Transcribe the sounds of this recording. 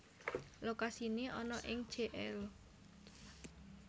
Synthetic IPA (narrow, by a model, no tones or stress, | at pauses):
lokasineʔɔnɔʔɪŋd̥ʒ̥eʔɛl